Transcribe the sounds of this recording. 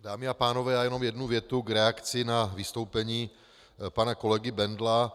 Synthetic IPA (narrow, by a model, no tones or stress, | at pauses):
daːmɪapaːno̞vɛːjaːjɛno̞mjɛdnuvjɛt̪uɡɾɛakt͡sɪnavɪst̪o̞wpɛɲiː | panako̞lɛɡɪbɛndla